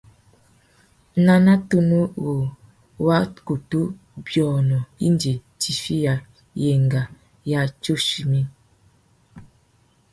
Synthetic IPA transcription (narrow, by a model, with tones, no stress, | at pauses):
na˦na˦tu˦nu˦wo˨ | wa˦ku˨tu˦ | bjɔ˨nɔ˨ḭ˦ndi˨ | ti˨fi˦ja˨ | je˨ŋɡa˨ | ja˦t͡ʃo˦ʃi˨mi˦n